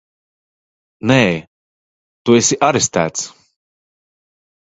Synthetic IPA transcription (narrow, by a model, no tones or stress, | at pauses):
nɛː | t̪uesʲiʔaɾɛst̪æ̰ːt̪s